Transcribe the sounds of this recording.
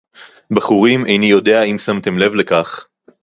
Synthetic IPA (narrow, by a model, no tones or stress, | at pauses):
baχuʁimʔejnijo̞d̪e̞aimsamt̪e̞mle̞vlekaχ